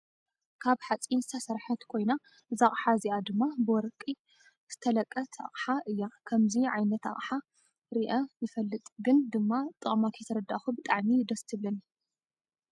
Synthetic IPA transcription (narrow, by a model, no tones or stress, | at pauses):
kʰaβħat͡sʼinzɨt̪ʰɐsɐɾħat̪kʰo̞jna | zaχʼħaziʔad̪ɨmːabɨwɔɾkʼi | z̥ɨt̪ʰɐlɐkʼːɐt̪ʰa̰χʼħaʔɨjːakʰɐmziʕajnɐt̪a̰χʼħa | ɾiʔɐjɨfɐlːɨt̪ʼɡɨnd̪ɨmːat̪ʼɨχʼmakʰɐjt̪ʰɐɾɐd̪ːaxubɨt̪ʼaʕmid̪ɐst̪ʰɨβlɐni